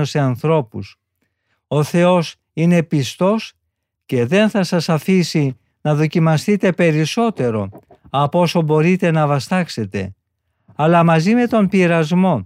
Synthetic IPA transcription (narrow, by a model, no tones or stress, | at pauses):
ose̞ɐnθɾo̞pus | o̞θe̞o̞s | ine̞pist̪o̞s | ce̞ðe̞nθɐsɐsɐfisi | nɐðo̞cimɐst̪it̪e̞pe̞ɾiso̞t̪e̞ɾo̞ | ɐpo̞so̞bo̞ɾit̪e̞nɐvɐst̪ɐkse̞t̪e̞̰ | ɐlɐmɐzime̞t̪o̞mpiɾɐzmo̞